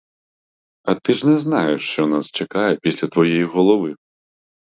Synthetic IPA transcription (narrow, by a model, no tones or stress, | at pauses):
ɐt̪ɪʐnɛznajɛʂt͡ʃɔnast͡ʃɐkajɛpʲisʲlʲɐt̪ʋɔjɛjiɣɔlˠɔʋɨ